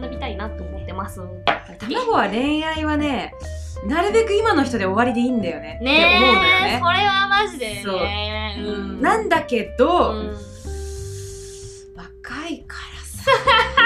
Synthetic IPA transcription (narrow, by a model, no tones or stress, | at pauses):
d̪omʲit̪ainat̪ːoːmot̪ːe̞masɨ | at̪amaɡo̞β̞aɾẽ̞ɰ̃aiβane̞naɾɯ̟be̞kɯ̟imano̞çi̥t̪o̞d̪e̞o̞βaɾʲid̪e̞ind̪ajo̞ne̞neomo̞ɯ̃nd̪ajne̞soɾe̞βamaʑid̪esõ̞ː | nãnd̪ake̞d̪o̞ | βakaikʰḁɾasḁ